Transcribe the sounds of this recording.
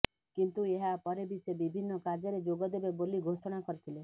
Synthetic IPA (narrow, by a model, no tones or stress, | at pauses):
kint̪ueɦapɔɾebisebibʱinːɔkaɾd͡ʒɔɾed͡ʒoɡɔd̪ebeboliɡʱosɔɽ̃akɔɾit̪ʰile